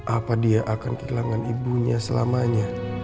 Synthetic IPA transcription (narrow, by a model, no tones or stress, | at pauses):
ʔapadiaʔakant̪ərlaŋanibuɲasəla̰maɲa